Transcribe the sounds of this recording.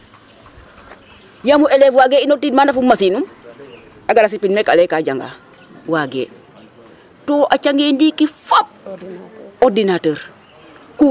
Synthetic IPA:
jamuʔelefwaɡeːinotiːdmaːndafumːasinum | aɡaɾasipinmekalekaɟaŋɡa̰ | waɡḛː | toːʔat͡ʃaŋɡeːndikifop̚ | odinatəːɾ | ku

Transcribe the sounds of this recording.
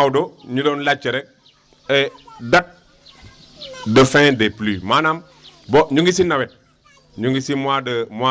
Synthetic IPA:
doɲidonlat͡ʃeɾek̚ | edat̚ | dəfɛ̃deplimaːnam | boɲuŋɡisinawet̚ | ɲuŋɡisimadəmwa

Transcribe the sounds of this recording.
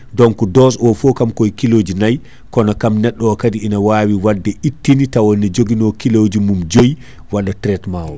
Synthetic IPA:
dɔŋkɔdɔsɔfɔkamkɔjkilod͡ʒinaj | kɔnakamnɛɗːɔɔkadiinawawiwadːɛitːinitawɔnɛd͡ʒoɡinɔkilod͡ʒimumd͡ʒoj | waɗatɾɛtmawɔ

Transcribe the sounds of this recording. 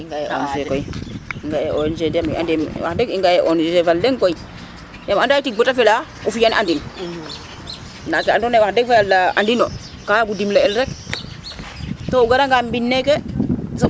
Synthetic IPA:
iŋɡajeʔo̰nsekojiŋɡajeond͡ʒedamḭa̰ndimwa̰deɡiŋɡajeʔonsefalːeŋkoi | jamandaitibotafelaufijanʔandin | natiandonewahdeɡfalːaandino̰ | kaɡudimlaelɾek | touɡaɾaŋɡambinːekɛs̬a

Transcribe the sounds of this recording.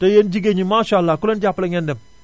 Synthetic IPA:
tajend͡ʒiɡeɲimaːʃalːakulend͡ʒaplɛɲɛ̃ndɛm

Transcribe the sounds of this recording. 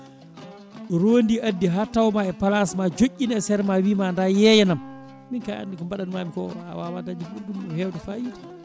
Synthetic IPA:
ɾondiʔadːiɦatawmaɛpalasmad͡ʒoʔʲːinɛsɛɾmawimandajɛjɛnam | minkaa̰ndikɔmbaɗanmamikɔ̰a̰wawadad͡ʒimuɡumɔhɛwdufajiːtḁ

